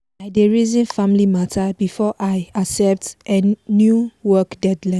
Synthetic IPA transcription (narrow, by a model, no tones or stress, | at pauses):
aɪdeɹizĩnfãmlimatʰabifɔʔajasɛp̚tʔɛnjuwɔkdɛdlã